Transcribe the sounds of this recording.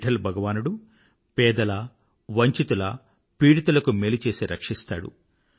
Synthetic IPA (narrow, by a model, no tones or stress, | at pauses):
ʈʰɐlbʱɐɡɐʋaːnuɽu | pɛːd̪ɐlɐ | ʋɐɲt͡ʃit̪ulɐ | piːɽit̪ulɐkumeːlit͡ʃe̞ːsiɾɐkʂist̪a̰ːɽṵ